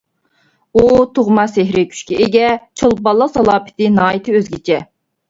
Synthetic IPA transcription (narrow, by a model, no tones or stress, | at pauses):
ut̪ʰoʁmɑseɦɾɪkʲʰy̥ʃkʲɛɪɡʲɛt͡ʃʰolˠbɑlˠːəqsɑlˠɑːpʰɪ̥t̪ɪnɑːjit̪ʰɨøzɡʲit͡ʃʰɛ